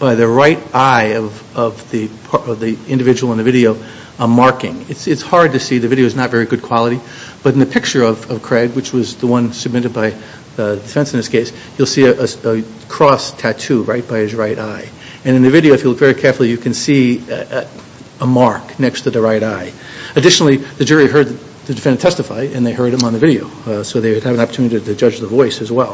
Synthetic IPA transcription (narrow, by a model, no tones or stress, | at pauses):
b̥aɪðɨɹaɪɾaɪʌv | ʌvðipʰʌvðiɪ̃ndɨvɪd͡ʒəwl̩ˠɪ̃ndɨvɪɾioʊ | əmɑɹkɪ̃ŋɨtsɨtshɑɹd̚tɨsiðɨvɪɾioʊɨznətvɛɹiɡʊd̚kʰw̥ɑlˠəɾi | b̥ʌɾn̩ðɨpʰɪk̚t͡ʃə˞ʌvʌv̥kʰɹ̥æɡwɨt͡ʃwʌzðəwʌ̃nsɨb̚mɪɾɨd̚baɪ | dɨfɛ̃nsn̩ðɪskʰeɪs | julˠsiɨʔəə | kʰɹ̥ɔstʰætʰʉɹaɪt̚b̥aɪɨzɹaɪɾaɪ | ɨ̃nɨ̃nðɨvɪɾioʊɨfjɨlʊk̚tvɛɹikʰɛɹfl̩ˠijɨkʰɨ̃nsi | əmɑɹknɛkstʰɨðɨɹaɪɾaɪ | ɨdɪʃnl̩ˠiðɨd͡ʒʊɹiɦɜ˞d̪̚ | ðɨdɨfɛ̃ntʰɛstɨfaɪɨ̃nðeɪhɜ˞ɾɨ̃mə̃nðɨvɪɾioʊsoʊðeɪɨd̚ɨvɨ̃nɑpə˞tʰʉnɨɾiɾɨd͡ʒʌd͡ʒðəvɔɪsɨzwɛlˠ